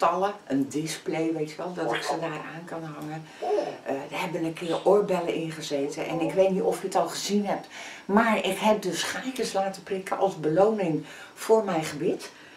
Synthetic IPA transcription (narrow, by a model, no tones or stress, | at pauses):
tɑlˠəəndɪsplejʋejtjəʋɛlˠdɔtɪksədaːraːnkɑnɦɑŋə | ədəɦɛbənənkʰɪːrʔʊɹbɛləʔɪnχəzeːtənʔɛ̰nɪkʋejtnitɔfjəətɔlˠχəzinɦɛp̚tmaːɹɪkɦɛp̚dəsχajkəslaːtəprɪkʰəʔɑlˠsbəlownɪŋfʊːɹmɛjχəbɪt